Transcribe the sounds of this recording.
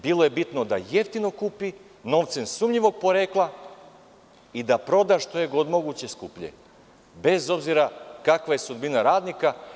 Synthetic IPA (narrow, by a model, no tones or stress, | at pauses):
biːlˠo̞je̞bit̪no̞d̪aje̞ft̪ino̞kuːpi | no̞ʋt̪sensumʎiʋo̞ɡ̚po̞ɾeːklˠa | id̪apɾo̞d̪aʃt̪o̞jeɡo̞d̪mo̞ɡut͡ɕe̞skuːpʎḛ | be̞zo̞bziɾakakʋaje̞sud̪binaɾaːd̪nika